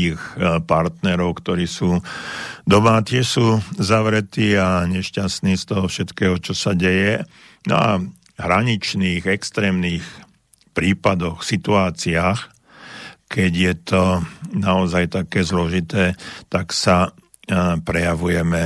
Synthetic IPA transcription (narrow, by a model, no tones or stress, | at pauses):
ixpaɾt̪nɛɾɔʊkt̪ɔɾiːsuː | d̪ɔmat̪ɪɛʃsuːzaʋɾɛt̪iːaɲɛʃcasniːst̪ɔɦɔfʃɛt̪kɛːɦɔt͡ʃɔsaɟɛjɛ | nɔ̰a | ɦɾaɲit͡ʃniːɣɛkst̪ɾɛːmniːx | pɾiːpad̪ɔxsit̪uaːt͡siaːx | kɛɟjɛt̪ɔnaɔzajt̪akɛːzlɔʒit̪ɛːt̪aksa | pɾɛjaʋujɛmɛ